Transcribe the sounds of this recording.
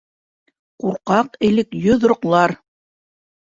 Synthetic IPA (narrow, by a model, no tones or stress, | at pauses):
quɾqɑqɘ̆lɘkjɵðɾŏqlˠɑɾ